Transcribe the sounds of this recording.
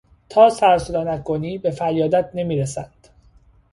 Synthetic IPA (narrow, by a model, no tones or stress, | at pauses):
t̪ʰɒːsæɾsod̪ɒːnækːoniːbe̞fæɾjɒːd̪æt̪̚ʰne̞miːɾesænd̪̥